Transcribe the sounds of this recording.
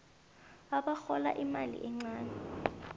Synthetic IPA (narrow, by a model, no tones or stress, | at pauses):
aɓaxɔla̰ʔimalḭʔɛŋ͡ǀaːnɛ